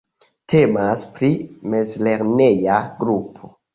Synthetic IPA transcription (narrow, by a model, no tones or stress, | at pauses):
tʰe̞maspɾime̞zle̞ɾne̞jaɡɾupʰo̞